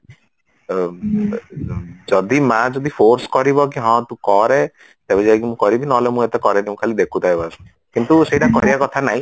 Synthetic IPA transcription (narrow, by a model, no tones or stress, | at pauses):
d͡ʒɔd̪imad͡ʒɔd̪ipʰoɾskɔɾibɔk̬iɦɔ̃t̪ũkɔɾe | t̪ebed͡ʒaekimũkɔɾibʱinɔɦlemũet̪ekɔɾeniũkʰalid̪ekʰut̪ajbas | kint̪useiʈakɔɾibakɔt̪ʰanaɦĩ